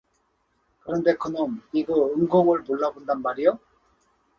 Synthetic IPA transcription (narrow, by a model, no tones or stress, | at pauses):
kɯɾʌnde̞kɯnɯniɡɯɯŋɡoŋɯɭmoɭːabondanmaɾijo